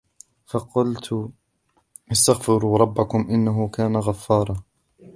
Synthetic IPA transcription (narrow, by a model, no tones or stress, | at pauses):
fɑqʊlt̪ | ʔɪst̪aɣfɪɾuːɾˤɑbːakʊmʔɪnːaɦʊkaːnaɣafːɑːɾˤɑ